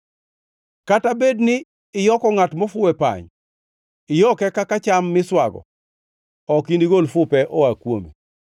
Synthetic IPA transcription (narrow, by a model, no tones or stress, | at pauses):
katabednɪː | jɔkɔŋatmɔfʊɛpa̰ɲ | ɪjɔkɛkakat͡ʃamːɪswaɡɔ̰ | ɔkindiɡolfʊpɛʔɔwakwomḛ